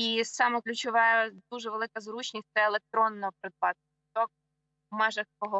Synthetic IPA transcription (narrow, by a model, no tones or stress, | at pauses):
isɑmɛklʲʊt͡ʃɔʋɑjɐd̪uʒɛʋelˠɪkɐzɾut͡ʃnʲisʲsɛelˠek̚t̪ɾɔnːɔɔpɾed̪̚bɑt̪̚ | t̪ɔk̚ | mɛʒɐxkɔɦɔ